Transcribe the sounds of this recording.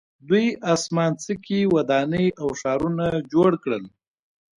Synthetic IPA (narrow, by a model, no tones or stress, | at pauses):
d̪ujasmɑnt͡səkiwad̪ɑnəjʔawʂɑɾunad͡ʒoɽkɽəl